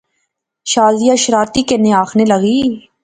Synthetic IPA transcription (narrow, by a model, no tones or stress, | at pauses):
ʃaːzijaʃɾaːɾt̪ikenɪaːxʰnelɐɣiː